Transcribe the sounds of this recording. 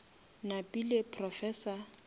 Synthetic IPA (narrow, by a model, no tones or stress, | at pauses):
napʼilɪpʰrɔfɛːsa